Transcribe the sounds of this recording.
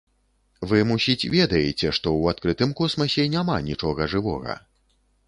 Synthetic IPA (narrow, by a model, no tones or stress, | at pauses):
vɨmusʲit͡sʲvʲɛd̪ɐjet͡sʲɛʂt̪ɔwat̪̚kɾɨt̪ɨmkɔsmɐsʲɛnʲamanʲit͡ʂɔɣɐʐɨvɔ̰ɣɐ̰